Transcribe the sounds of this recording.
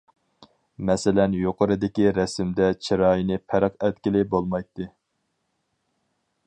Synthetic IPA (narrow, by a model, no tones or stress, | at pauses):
mɛsɪlɛnjoqʰəɾɨd̪ɪkʲiɾɛsɪmd̪ɛt͡ʃʰiɾɑːjinɨpʰæɾəqɛt̪̚kʲilɪbolˠmɑjt̪ːɨ